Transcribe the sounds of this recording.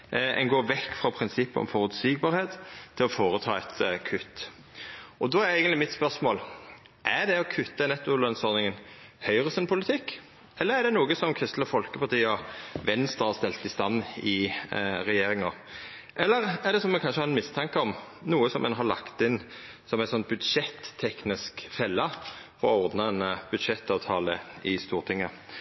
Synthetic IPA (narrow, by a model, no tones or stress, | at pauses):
ʔɛ̰nɡoːʋɛkːfɾɑpʰɾɪnsɪpːəɔ̰mfɔʁʉt̪siːɡbɑːɾheːt̪t̪ʰːɪlɔfoːɾət̪ʰɑːɛt̪kʰʉt̪ː | ɔd̪ɔæɾæːɡənlɪmɪt̪spœɾʂmoːl | ʔæɾd̪ɛɔkʰʉt̪ːənɛt̪ːʊlœnsɔɾnɪŋən | hœʏʁəsɛnpʰʊlɪt̪ʰɪkː | ɛlːəʁæɾd̪ɛnuːɡəsɔmkʰɾɪst̪ləfɔlkəpɑt̪ʰiːɔʋɛnst̪əhɑst̪ɛlt̪ːɪst̪ɑnːɪʁɛjeːɾɪŋɔ | ʔɛlːəɾæʁd̪ɛsɔmɛkʰɑnʂəhɑʁɛnmɪst̪ʰɑŋkəɔmnuːəsɔmʔɛ̰nɦɑɾlɑ̰kt̪ɪn | sɔmæɪnsɔnt̪̚bʉd̪ʂɛt̪ʰːɛknɪskfɛlːəfɔɾɔɔʁd̪nəɛnb̥ʉd̪ʂɛt̪ːɑːʋt̪ʰɑːləɪst̪uːʁt̪ʰɪŋːə